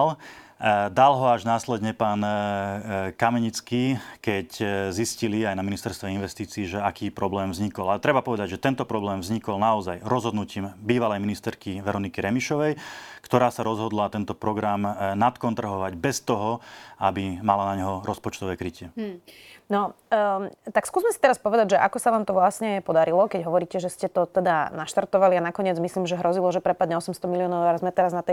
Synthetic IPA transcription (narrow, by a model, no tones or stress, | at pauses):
l | d̪alɦɔaʒnaːslɛd̪ɲɛpaːn | kamɛɲit͡skiːkɛczisciliajnaminist̪ɛɾst̪ʋɛinʋɛst̪iːt͡siːʒɛakiːpɾɔblɛːmvzɲikɔlalɛt̪ɾɛbapɔʋɛd̪aɟʒɛt̪ɛnt̪ɔpɾɔblɛːmvzɲikɔlnaɔzajɾɔzɦɔd̪nuciːmbiːʋalɛjminist̪ɛɾkiʋɛɾɔnikiɾɛmiʃɔʋɛjkt̪ɔɾaːsaɾɔzɦɔd̪lat̪ɛnt̪ɔpɾɔɡɾamnat̪kɔnt̪r̩ɦɔʋaɟbɛst̪ɔɦɔabimalanaɲɦɔɾɔspɔt͡ʃt̪ɔʋɛːkɾicɪɛ | nɔ | t̪akskuːzmɛsit̪ɛɾaspɔʋɛd̪aɟʒɛʔakɔsaʋaːmt̪ɔʋlasɲɛpɔd̪aɾilɔkɛɟɦɔʋɔɾiːcɛʒɛscɛt̪ɔt̪ɛd̪anaʃt̪aɾt̪ɔʋalianakɔɲɪɛd͡zmisliːmʒɛɦɾɔzilɔʒɛpɾɛpad̪ɲɛɔsɛmst̪ɔmiliɔːnɔʊɛɾzmɛt̪ɛɾaznat̪ɛ